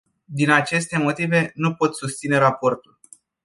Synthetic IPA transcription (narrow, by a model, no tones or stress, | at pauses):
d̪inat͡ʃe̞st̪e̞mo̞t̪ive̞nupo̞t̪sust̪sine̞ɾapo̞rt̪ul